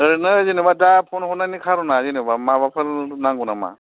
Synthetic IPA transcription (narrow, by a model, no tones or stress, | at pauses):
əɾnɯzinibadapʰonɦunanikʰaɾunazinibamabapʰəɾnaŋɡunama̰